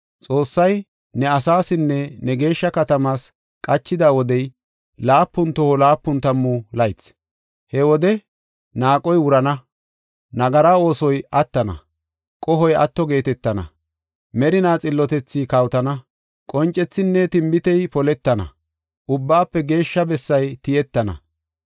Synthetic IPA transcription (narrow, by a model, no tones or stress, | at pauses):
t͡sʼo̞ːsːɐj | nɛɐsaːsɪnːɛnɛɡe̞ːʃːɐkɐt̪ɐmaːs | kʼɐt͡ʃːɪd̪aːwɔd̪ɛj | laːpːʊnt̪ɔhɔlaːpːʊnt̪ɐmːulɐjt͡s | hɛwɔd̪ɛ | naːkʼɔjwʊɾɐnɐ | nɐɡɐɾao̞ːsɔjʔɐt̪ːɐnɐ̰ | kʼɔɦɔjʔɐ̰t̪ːɔɡe̞ːt̪ɛt̪ːɐnɐ̰ | mɛɾɪnaːt͡sʼɪlːɔt̪ɛt͡sːikɐwt̪ɐnɐ | kʼɔnt͡ʃʼːɛt͡sːɪnːɛt̪ɪmbɪt̪ɛjpɔlɛt̪ːɐnɐ̰ | ʔʊbːaːpːɛɡe̞ːʃːɐbɛsːɐjt̪ɪjɛt̪ːɐnɐ̰